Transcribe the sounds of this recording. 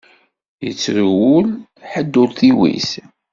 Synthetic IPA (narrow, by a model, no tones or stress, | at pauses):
jə̰t͡sːɾwʊl | ħəd̪ːʊlθiwḭs